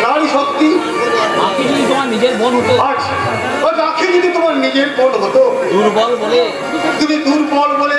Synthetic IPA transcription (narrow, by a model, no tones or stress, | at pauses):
naɽiʃokt̪i | bakʰid͡ʑod̪it̪omaɾnid͡ʑeɾbonɦot̪oaʃ | opakʰid͡ʑod̪it̪omaɾnid͡ʑeɾbonɦot̪od̪uɾbɔlbole | t̪umid̪uɾbɔlbole